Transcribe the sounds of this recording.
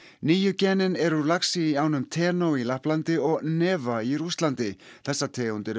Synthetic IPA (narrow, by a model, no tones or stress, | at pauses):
niːjʏcɛːnɪnɛɾulaksiːaːwnʏmt̪ʰɛːnowilahplant̪ɪɔɣnɛːvaiɾust̪lant̪ɪθɛsːat̪ʰɛːunt̪ɪɾ